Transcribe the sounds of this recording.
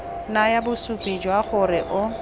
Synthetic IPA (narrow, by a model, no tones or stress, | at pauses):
najabʊsupʼid͡ʒwaɣʊrɪʔʊ